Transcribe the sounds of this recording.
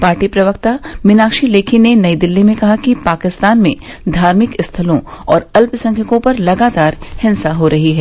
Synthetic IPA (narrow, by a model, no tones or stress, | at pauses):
paːɾʈipɾɐʋəkt̪amɪnaːkʃileːkʰinenɐid̪ɪlːimẽkɐɦakipaːkɪst̪aːnmẽ | d̪ʱaːɾmɪkɪst̪ʰɐlõɔːɾɐlpsɐ̃ŋkʰəkõpɐɾlɐɡaːt̪aːɾhɪ̃nsaɦoɾɐɦiɦɛː